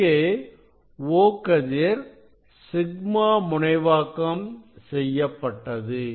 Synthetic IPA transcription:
eː | ʋoːkɐðɪɾ | sɪɡ̚maːmʊɳɐɪʋaːkɐmsɛjːɐpːɐʈːɐðɯ

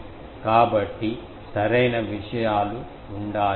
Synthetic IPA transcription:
kaːbɐʈːi | sɐɾɐjnɐʋiʂɐjaːluː | ɳɖaː

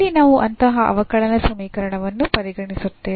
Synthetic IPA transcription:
inaːʋuʔɐnt̪ɐɦɐʔɐ̰ʋɐkɐɭɐnɐsɐmiːkɐɾɐɳɐʋɐnːupɐɾiɡɐɳisut̪ːeː

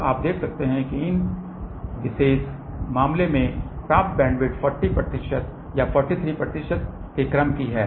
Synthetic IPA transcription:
aːp̚d̪eːkʰsɐk̚t̪eɦɛ̃kiɪn | ʋɪseːs | maːmlemẽpɾãːp̚t̪̚bɛ̃ːɳɖʋɪʈfʰɔːɾʈipɾɐt̪ɪʃət̪ | jafʰɔːɾʈit̪ʰɾiːpɾɐt̪ɪʃət̪̚ | kekɾəmkiɦɛː

